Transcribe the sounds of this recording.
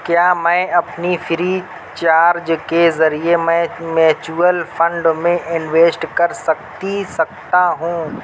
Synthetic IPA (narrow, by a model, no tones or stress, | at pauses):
kjaːmɛ̃ːɐpnifʰɪɾi | t͡ʃaːɾd͡ʒkezɐɾiemɛ̃mɛːt͡ʃuəlfʰɐ̃ɳɖmẽʔɪnʋeːsʈkɐɾsɐkt̪isɐk̚t̪aɦũː